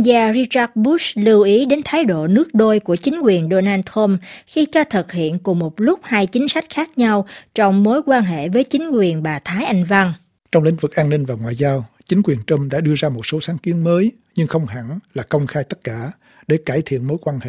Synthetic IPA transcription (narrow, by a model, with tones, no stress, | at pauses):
zaː˧ɾi˧t͡ɕaː˦˥t̚ɓu˦˥slɨ˧wʔi˨˦ɗe˨˦nt̪ʰaː˨˦jɗo̰˧˨nɨ˦˥ək̚ɗo˧jku˧˩ət͡ɕï˨˦ŋ̟kwi˨˩ənɗo˧naː˧nt̪ʰə˧mxi˧t͡ɕɔ˧t̪ʰɨ˨˩t̚hḭ˧˨ənkʊ˨˩ŋ͡mmo˨˩t̚lʊ˦˥k͡p̚haː˧jt͡ɕï˨˦ŋ̟sa˦˥jk̟̚xaː˦˥k̚ɲa˧wt͡ɕɔ˧wŋ͡mmo˨˦jkwaː˧nɦḛ˧˨vəː˨˦jt͡ɕï˨˦ŋ̟kwi˨˩ənɓaː˨˩t̪ʰaː˨˦jʔa˧jŋ̟va˧ŋ | t͡ɕɔ˧wŋ͡mlḭ˧˥ŋ̟vɨ˨˩k̚ʔaː˧nːï˧ŋ̟vaː˨˩ŋwa̰ː˧˨jzaː˧w | t͡ɕï˨˦ŋ̟kwi˨˩ənt͡ɕə˧mɗa̰ː˧˥ɗɨ˧əzaː˧mo˨˩t̚so˨˦saː˨˦nki˨˦ənməː˨˦j | ɲɨ˧ŋxə˧wŋ͡mha̰˧˩nlaː˨˩kə˧wŋ͡mxaː˧jt̪ə˦˥t̚kaː˧˩˨ | ɗe˧˩kaː˧˩jt̪ʰḭ˧˨ənmo˨˦jkwaː˧nhḛ˧˨